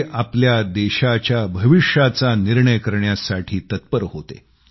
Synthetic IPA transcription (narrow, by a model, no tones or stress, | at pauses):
ʔapljad̪eɕat͡ɕjabʱəʋiʂat͡saniɾɳəjkəɾɳjasaʈʰiːt̪ət̪̚pəɾɦot̪ḛ